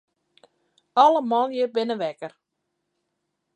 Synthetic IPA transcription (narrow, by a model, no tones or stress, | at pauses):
ɔləmɔlˠjəbɪnəʋɛkər